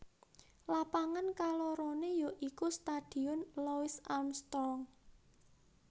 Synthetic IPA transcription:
lapaŋankalɔɾɔnejoʔikust̪ad̪̥i̤ʊnlɔɪsamst̪ɔŋ

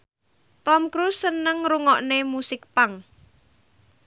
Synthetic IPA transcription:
t̪ɔmkɾusːənəŋɾuŋɔʔnemusɪk̚paŋ

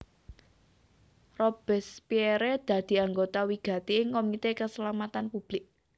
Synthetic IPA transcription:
rob̥ɛ̤spiɛɾed̪̥ä̤d̪̥i̤aŋɡot̪awiɡ̥a̤t̪iɪŋkomit̪ekəsəlamat̪anpub̥lɪk̚

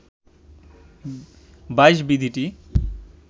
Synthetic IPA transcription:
bajʃ̬bid̪ʱiʈi

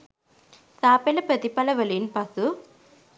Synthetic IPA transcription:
saːpelɐpɾɐt̪ipɐlɐʋɐlinpɐsu

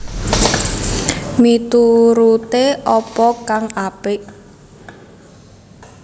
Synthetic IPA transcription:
mit̪uɾut̪eʔɔpɔkaŋʔapɪʔ

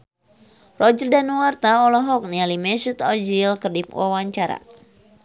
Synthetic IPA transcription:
rɔd͡ʒərdanuwart̪aɔlɔɦɔk̚nialimɛsut̪ɔd͡ʒilkərdip̚wʔa̰waɲt͡ʃaɾa̰

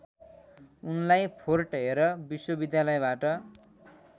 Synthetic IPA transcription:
unlajpʰorʈɦeɾʌbiswʌbid̪jalʌjbaʈʌ

